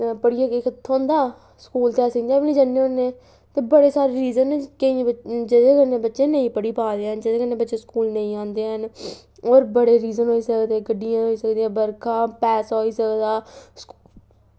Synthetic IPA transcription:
pəɽɪjãːɪkət̪ʰːõːnd̪aː | skuːlt̪ɛːsəknd̪aːbliːd͡ʒənːeːõːnːẽː | t̪eːbəɽeːsaːɾeːɾiːzənkəĩːd͡ʒɪd̪eːkəɾnẽːbətːʃẽːnə̃ĩːpəɽiːpaːd̪eːɦənd͡ʒɪd̪eːkəɾnẽːbətːʃeːskuːlnə̃ĩːãːnd̪eːɦən | oːɾbəɽeːɾiːzənɦoːiːsəkd̪eːɡəɖːɪjãːɦoːiːsəkd̪eãːbəɾkʰãːpɛːsɦoːiːsəkd̪aːs

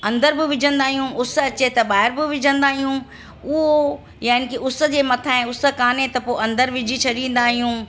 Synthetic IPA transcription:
ɐ̃nd̪əɾbɪʋɪd͡ʑʱə̃nd̪aːɦijũʔʊs̆ɐt͡ɕet̪ɐbaːɦɪɾbɪʋɪd͡ʑə̃nd̪aːɦijũ | ʊɦo | jaːɪnɪkiʊs̆d͡ʑeːmɐt̪ʰaːɪ̃ʊs̆kaːnet̪ɐpoːɐ̃nd̪əɾʋɪd͡ʑʱit͡ɕʰɐɗĩːn̆d̪aːɦijũː

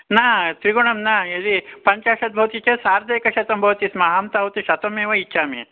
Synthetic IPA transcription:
naːt̪ɾiɡuɳɐmnaɐd̪ipɐɲt͡ʃaːʂɐt̪̚bʱɐwt̪it͡ʃɐsaːɾd̪eːkɐʃɐt̪ɐmbʱɐʋt̪ismɐaːmt̪aːʋut̪iʃɐt̪omeːʋɐit͡ʃʰːʃaːmḭ

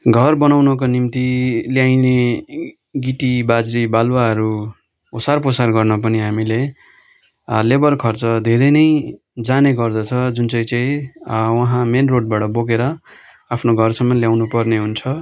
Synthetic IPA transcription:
ɡʱʌrbʌnawnʌk̬onimt̪iljajne | ɡiʈibad͡zɾibalwaɦʌɾu | osarposarɡʌrnʌp̬ʌniɦamile | lebʌrkʰʌrt͡sʌd̪ʱeɾʌjnʌj | d͡zaneɡʌrd̪ʌt͡sʰʌd͡zunt͡sʌĩt͡sʌĩwʌɦãmenroɖ̚baʈʌboɡeɾʌ | apʰnoɡʱʌrsʌmːʌljawnupʌrneɦunt͡sʰʌ

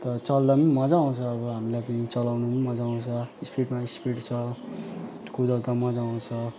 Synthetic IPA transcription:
t̪ʌt͡sʌlːʌmmʌd͡zaw̃t͡sʰʌːbʌɦamilajpʌnit͡sʌlawnummʌd͡zaw̃t͡sʰʌispiʈmaispiʈt͡sʰʌ | kud̪ʌt̪ʌmʌd͡zaw̃t͡sʰʌ

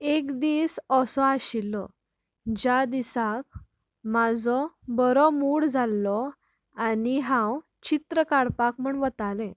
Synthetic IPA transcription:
ekd̪iːsɔsɔaɕilːɔ | d͡ʑad̪isak̚ | mad͡zɔ | bəɾɔmuɽd͡zalːɔ | aniɦãw | t͡ɕit̪ɾəkaɽpak̚m̤əɳʋət̪alɛ̃

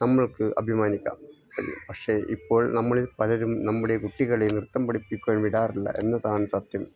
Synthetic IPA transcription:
nɐmːɐɭkɨʔɐ̰bʱimaːnikʲːa̰ːm | ɐɾḭpɐkʂe̞ʔipːo̞ːɭnɐmːɐɭipɐlɐɾumnɐmːuɽekuʈːiɣɐɭenirt̪ːɐmpɐɽipːikʲːuɐɳʋiɽaːrilːɐ̰ʔe̞̰nːɐðaːɳɨsɐt̪jɐm

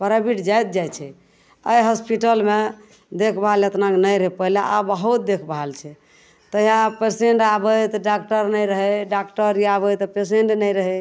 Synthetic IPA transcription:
pəɾabiʈd͡ʒajt̪̚d͡ʒajt͡ʃʰɛ | əjɦɔspiʈəlme | d̪ekʰbalət̪naknəjɾɦepəɦlaʔabəɦut̪̚d̪ekʰbaɦalt͡ʃʰɛ | t̪ɔiãpeseɳʈabəjt̪ɔɖak̚ʈəɾnəjɾəɦɛɖakʈəɾiabət̪ɔpes̬eɳʈnəjɾəɦɛ

